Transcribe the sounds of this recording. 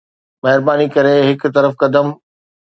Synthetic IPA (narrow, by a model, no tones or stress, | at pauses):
mɐɦɪɾbaːnikɐɾeɦɪkʊ̆t̪ɐɾəfkɐd̪əm